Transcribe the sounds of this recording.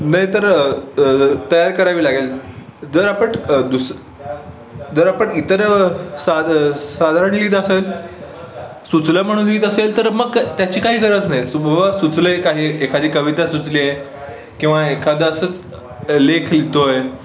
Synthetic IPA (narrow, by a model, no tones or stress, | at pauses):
naɦjt̪əɾ | t̪əjaɾkəɾaʋiːlaɡel | d͡zəɾapəɳd̪us | d͡zəɾapəɳit̪əɾsasad̪ʱaɾəɳ̃liːt̪əsel | sut͡sləm̤əɽ̃uːnliːt̪əselt̪əɾməɡt̪jat͡ɕiːkaɦiːɡəɾət͡snaɦjsubʱbasut͡sləjekaɦiːekʰad̪iːkəʋit̪asut͡sliːaje | kĩw̃ʋaekʰad̪əsət͡s | lekʰlit̪oj